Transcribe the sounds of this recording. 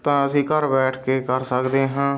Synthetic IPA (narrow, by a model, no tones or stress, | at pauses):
t̪ãːəsĩːkəɾbɛːʈʰkeːkəɾsəkd̪eːɦãː